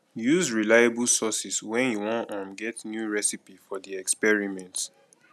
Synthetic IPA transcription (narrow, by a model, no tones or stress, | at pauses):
juzɹilajabulsɔsiswɛ̃njuwɔ̃nɔ̃mɡɛtnjuɹɛsipifɔdiɛkspɛɹimɛ̃nt